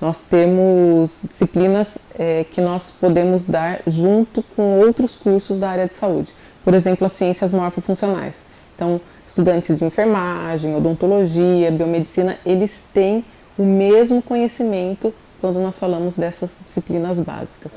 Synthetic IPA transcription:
nɔst̪ẽmʊzd͡ʒisiplĩnɐsɛkɪnɔspod̪ẽmʊzd̪aɾʒũnt̪ʊkõw̃owt̪ɾʊskuɾsʊzd̪ɐaɾiɐd͡ʒɪsaud͡ʒɪ | poɾezẽmplʊɐsiẽsiɐzmɔɾfofũsiona̰js | ẽt̪ɐ̃w̃ | ɪst̪ud̪ɐ̃nt͡ʃɪzd͡ʒɪĩfeɾmaʒẽj̃od̪õt̪oloʒiɐbiomed͡ʒisĩnɐelɪst̪ẽj̃ | ʊmezmʊkõɲesimẽnt̪ʊ | kwɐ̃nd̪ʊnɔsfalɐ̃mʊzd̪ɛsɐzd͡ʒisiplinɐzba̰zikɐs

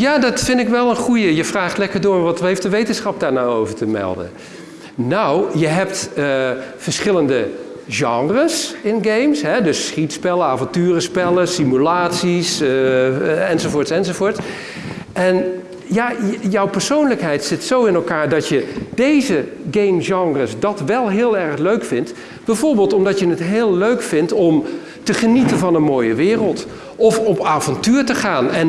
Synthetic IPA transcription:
jaːdɔtfɪndɪkʋɛlˠənχujəjəfraːχtlɛkəɹdʊːɹʋɑtɦejftdəʋejtənsχɑp̚daːɹnaːowvəɹtəmɛ̰lˠdə̰n | nawjəɦɛp̚təfəɹsχɪləndə | ʒɑŋrəsɪnɡejmsɦɛdɵsːχitspɛləaːvɑntyːrəspɛləsimylaːtsis | ɛnzovʊːɹtsɛnzovʊːɹts | ʔɛn | jajɔwpəɹsownləkɦɛjtsɪtsowɪnɛlˠkaːɹdɑtjədejzəɡejmʒɑŋrəsdɑtʋɛlˠɦɪːlˠɛɹχløɥkfɪnt | b̥ɛjvoːɹbeːlˠtɔmdɑtjənətɦɪːlˠlːøɥkfɪntɔm | təχənitənvɑnənmoːjəʋɪːrəlˠt | ʔɔfɔpaːvɑntyːɹtəχaːnɛn

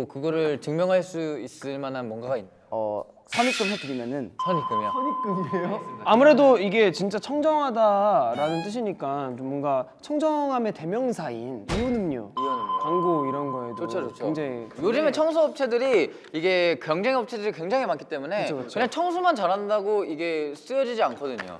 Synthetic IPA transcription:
okɯɡʌɾɯɭt͡ɕɯŋmjʌŋɦaɭs͈uis͈ɯɭmanɦanmwʌnɡaɡainːa | ʌ̰ | sʰamik͈ɯmsʰatɯɡimʌnɯnsʰaɲik͈ɯmiasʰamik͈ɯmiejoamuɾe̞doiɡe̞t͡ɕint͡ɕ͈at͡ɕʰʌŋd͡ʑʌŋɦadaɾanɯnt͈ɯɕ̬ʰiɲik͈ant͡ɕomːwʌnɡa | t͡ɕʰʌŋd͡ʑʌŋɦame̞te̞mjʌŋsʰainiunɯmɲo̰iʌnkaŋɡoiɾʌnɡʌedooot͡ɕʰoeŋd͡ʑaŋijod͡ʑɯmet͡ɕʰʌŋs̬ʰuʌp̚t͡ɕʰe̞dɯɾi | iɡe̞kjʌŋd͡ʑeŋʌp̚t͡ɕʰedɯɾikwe̞ŋd͡ʑaŋɦimankʰi̥t͈e̞mune̞ɯt͡ɕʰot͡ɕʰɯɲaŋt͡ɕʰʌŋsʰumant͡ɕaɾɦandaɡoiɡe̞s͈ɯjʌd͡ʑid͡ʑiankʰʌdɯɲo̰

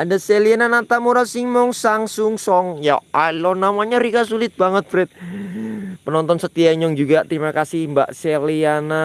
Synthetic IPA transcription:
ʔandaseliananat̪amuɾasɪŋmɔŋsaŋsʊŋsɔŋja̰alɔnamaɲaɾikasulɪt̪̚baŋət̪̚fɾɛt̪̚ | pənɔnt̪ɔnsət̪iaɲʊŋd͡ʒuɡat̪əɾimakasɪhmba̰ʔseliana

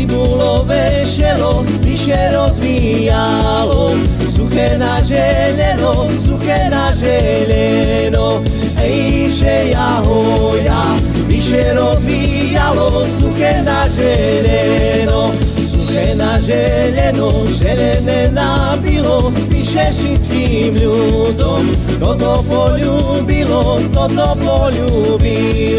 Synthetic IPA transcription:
ibɔlɔʋɛ | ʃɛlɔ | ʋiʃɛɾɔzʋi | ja | lɔ | suxɛnaʒɛ | ʎɛnɔ | suxɛnaʒɛ | ʎɛ | nɔ | i | ʃɛja | ɦɔ | ja | viʃɛɾɔzʋi | jalɔ | sukɛnaʒɛ | ʎɛ | nɔ | sukɛnaʒɛ | ʎɛnɔʒɛʎɛnɛnabilɔ | ʋiʃɛʃit͡ski | mʎu | d͡zɔm | t̪ɔt̪ɔpɔʎu | bilɔ | t̪ɔt̪ɔpɔʎu | bi

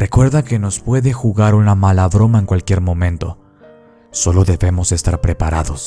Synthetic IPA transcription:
re̞kwe̞ɾðake̞no̞spwe̞ðe̞xuɣaɾunamalaðɾo̞maeŋkwalkje̞ɾmõ̞mẽ̞nt̪o̞̰ | so̞lo̞ðe̞βe̞mo̞se̞st̪aɾpɾe̞paɾaðo̞s

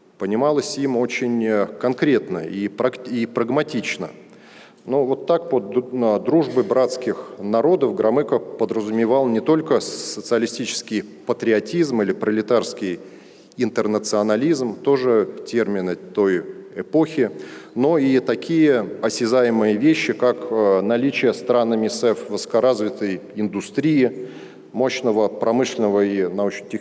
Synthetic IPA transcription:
pənʲɪmalˠəsʲimo̞t͡ɕɪnʲkɐnkɾʲe̞t̪nə̰ipɾɐkipɾəɡmɐtʲit͡ɕnə̰ | novo̞t̪ːak̚pod̪ɾuʐbɨbɾat̪skʲɪxnɐɾo̞d̪əfɡɾɐmɛkəpəd̪ɾəzʊmʲɪvalˠnʲɪt̪o̞lʲkəsət̪sɨɐlʲɪsʲtʲit͡ɕɪ̥skʲɪj | pət̪ɾʲɪɐtʲizmilʲɪpɾəlʲɪt̪arskʲɪj | ɪnt̪ərnət̪sɨɐnɐlʲizmt̪o̞ʐɨtʲe̞rmʲɪnɨt̪o̞jɛpo̞xʲɪno̞it̪ɐkʲʰijəɐsʲɪzajɪmɨjəvʲeɕːɪkakənɐlʲit͡ɕɪjəst̪ɾanəmʲɪsɛfvɨsə̥kɐɾazvʲɪt̪əj | ɪnd̪ʊst̪ɾʲijɪ | mo̞ɕnəvəpɾɐmɨʂlʲɪnəvəinɐot͡ɕɪnʲtʲɪ

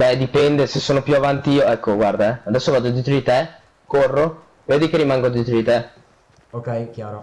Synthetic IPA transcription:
bɛd̪ipɛnd̪esesːoːnopjuavant̪iiːoɛkːoɡward̪aɛad̪ɛsːovaːd̪od̪eːt̪ɾod̪it̪e | korːo | veːd̪ikerːimaŋɡod̪iːt̪ɾod̪it̪e | okɛjkjaːɾo

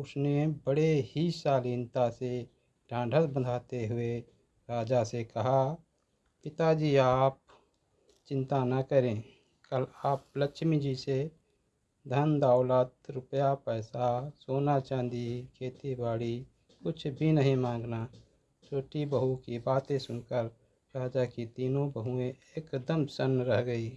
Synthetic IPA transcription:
ʊsnebəɽehisaːliːnt̪ase | ɖʱãːɳɖʱəsbənd̪ʱaːt̪eɦʊe | ɾaːd͡ʒasekɐɦa | pɪt̪ad͡ʒiːaːp̚ | t͡ʃɪ̃nt̪anɐkəɾẽː | kəlaːp̚ləkʃmĩd͡ʒise | d̪ʱənd̪aːʊlat̪ɾʊpjapɛːsasoːnat͡ʃãːnd̪ikʰeːt̪ibaːɽi | kʊt͡ʃʰbʱinəɦĩmãːŋɡna | t͡ʃʰoːʈibəɦukibaːt̪ẽsʊnkəɾ | ɾaːd͡ʒakit̪iːnõbəɦuẽeːkd̪əmsənɾəɦɡəiː

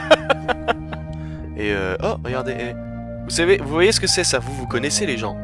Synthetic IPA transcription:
eøɔʁəɡʲaʁd̪eʔɛ | vusavevuvwajesə̥kəsɛsavuvukɔnɛseleʒɑ̃

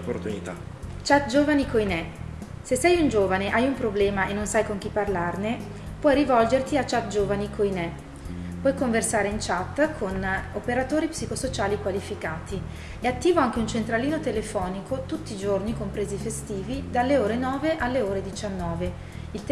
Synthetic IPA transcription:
pːort̪unit̪a | t͡ʃat̪d͡ʒoːvanikojnɛ | sesːɛjund͡ʒoːvaneʔajumpɾoblɛːmaenːonsajkoŋk̟ipːarlarne | pwɔjɾivɔld͡ʒert̪iat͡ʃːat̪̚d͡ʒoːvanikʰojnɛ | pwɔjkoɱversaːɾeint͡ʃat̪ːkʰonopeɾat̪oːɾipsikosot͡ʃaːlikwalifikaːt̪i | eat̪ːiːvoaŋk̟eunt͡ʃent̪ɾaliːnot̪elefɔːnikot̪ut̪ːiːd͡ʒornikompɾeːzifest̪iːvid̪alːeoːɾenɔːveʔalːeoːɾed̪it͡ʃanːɔːve | ilt̪

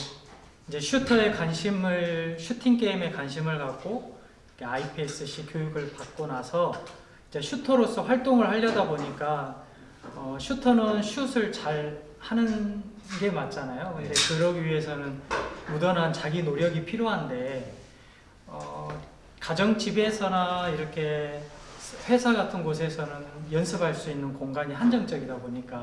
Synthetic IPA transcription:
ind͡ʑe̞ɕʰutʰʌe̞kwanɕʰimɯɭɕʰutʰiŋk͈e̞ime̞kwanɕʰimɯɭkak̚k͈o | kʰe̞aipʰies͈ɯɕ͈ʰikjojuɡɯɭpak̚k͈onasʰʌ | ind͡ʑe̞ɕʰutʰʌɾos͈ʰʌɸwaɭt͈oŋɯɭhaʎːʌdaboɲik͈a | ʌɕʰutʰʌnɯnɕʰusʰɯɭt͡ɕaɭ | hanɯn | ɡe̞mat͡ɕ͈anajondekɯɾʌɡiɥiɦe̞sʰʌnɯnmudʌnɦant͡ɕaɡinoɾjʌɡipʰiɾjoɦande̞ | ʌ | kad͡ʑʌŋt͡ɕibe̞sʰʌnaiɾʌkʰe̞ | ɸwe̞sʰaɡatʰɯnɡosʰe̞sʰʌnɯnjʌnsʰɯbɦaɭs͈uinːɯnkoŋɡaɲiɦand͡ʑʌŋt͡ɕ͈ʌɡidaboɲik͈a

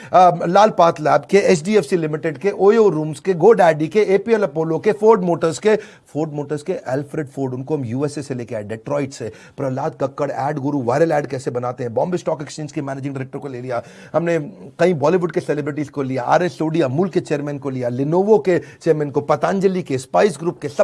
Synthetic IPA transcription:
laːlpaːt̪lɛːbkeɛt͡ʃɖiːɛːfsilɪmɪʈeɖkeʔoːjoɾũːmzkeɡoːɖɛːɖikeeːpiɛlɐpoːlokefoːɾɖmoːʈəɾzke | foːɾɖmoːʈəɾzkeʔɛːlfɾeːɖfoːɾɖʊnkoɦɐmjuːɛseseleːkeaːeɖeʈɾɔːɪʈse | pɾɐlaːd̪̚kɐkːəɽɛːɖɡʊɾuʋaːɪɾəlɛːɖkɛːsebɐnaːt̪eɦɛ̃bɔ̰̃ːmbɪsʈɔːkɛkst͡ʃeːnskemɛːneːd͡ʒɪ̃ŋɖɪɾɛːk̚ʈəɾkoleːlijaː | ɦɐmnekɐĩbɔːliʋʊɖkesɛlebɾɪʈizkolijaʔa̰ːɾesoːɖiɐmuːlket͡ʃeːɾmɛ̃ːnkolijalɪnoːʋoket͡ʃeːɾmɛ̃ːnkopɐt̪aːnd͡ʒəlikespaːɪsɡɾuːp̚kesɐ

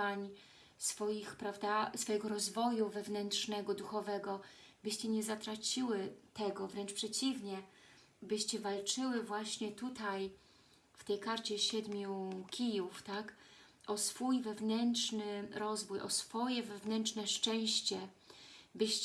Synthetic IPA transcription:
aɲ | sfɔjixpɾavd̪asfɔjɛɡɔɾɔzvɔjuvɛvnɛntʂnɛɡɔd̪uxɔvɛɡɔbɘɕt͡ɕɛɲɛzat̪ɾat͡ɕiwɘt̪ɛɡɔvɾɛnt͡ʂpʂɛt͡ɕivɲɛ | bɘɕt͡ɕɛvalt͡ʂɘwɘvwaɕɲɛt̪ut̪aj | ft̪ɛjkaɾt͡ɕɛɕɛd̪mʲjukʲijuft̪ak | ʔɔsfujvɛvnɛntʂnɘɾɔzvujʔɔ̰sfɔjɛvɛvnɛntt͡ʂnɛʂt͡ʂɛ̃w̃ɕt͡ɕɛ | bɘɕt͡ɕ

